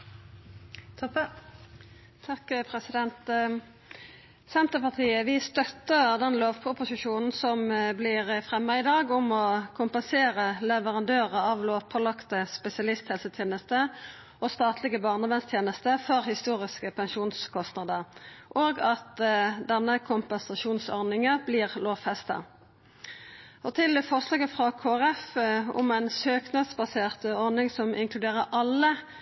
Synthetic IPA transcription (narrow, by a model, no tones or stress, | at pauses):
t̪ʰɑkpʰʁɛsɪd̪ɛnt̪ | sɛnt̪əpɑʁt̪ʰiːəʋɪst̪œt̪ːəʁd̪ɛnloːʋpʰʊpʊsɪʃuːnn̩sɔmblɪʁəfʁɛmːɑɪd̪ɑːɡʊmɔkʰʊmpɛnseːʁəlɛʋəʁɑnd̪øːʁəɑʋloːʋpʰɔlɑkt̪əspɛsɪɑlɪst̪hɛlsət̪ʰjeːnəst̪ə | ʔɔst̪ɑːt̪ʰlɪɡəbɑːʁnəʋɛnst̪ʰjeːnəst̪əfɔʁhɪst̪uːʁɪskəpʰɛnʃuːnskʰɔst̪nɑd̪əʁʔoːɡɑt̪d̪ɛnːəkʰʊmpɛnsɑʃuːnsɔ̰ʁnɪŋəbliːʁloːʋfɛst̪ɑ̰ | ɔt̪ʰɪlfɔʁʂlɑːɡəfʁɑkʰoːæʁɛfʊ̰mɛɪnsøːknɑd̪sbɑseːʁt̪ɔʁnɪŋsɔmʔɪ̰ŋkʰlʉd̪eːʁəʔɑlːə